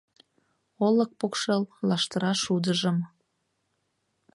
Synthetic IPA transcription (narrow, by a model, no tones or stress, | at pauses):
olək̚pokʃellɑʃt̪əɾɑʃud̪əʒəm